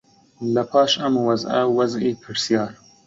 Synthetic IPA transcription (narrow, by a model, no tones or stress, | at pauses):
lɐpʰɑːʃɐmwɐzɐ̰wɐzepʰɪɾsjɑːɾ